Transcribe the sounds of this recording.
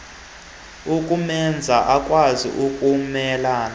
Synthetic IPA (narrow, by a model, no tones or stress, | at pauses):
ukʼumɛnd͡zʱaʔakʼwazḭʔukʼumɛlaːna